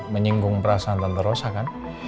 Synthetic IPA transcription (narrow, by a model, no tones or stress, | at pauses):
məɲiŋɡʊŋpəɾasaant̪ənt̪əɾosakan